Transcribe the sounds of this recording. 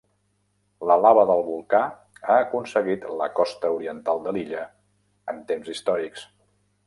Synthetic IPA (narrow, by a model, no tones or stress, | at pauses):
ləlaβəðəlˠβulˠka | aəkunsəɣit̪ləkɔst̪əuɾiənt̪alˠd̪əliʎə | ənt̪emzist̪ɔɾiks